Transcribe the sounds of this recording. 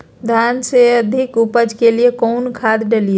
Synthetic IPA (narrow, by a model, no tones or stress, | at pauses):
d̪ʱanseəd̪ʱikupəd͡ʒʱkeliekɔnkʰad̪ɖəlie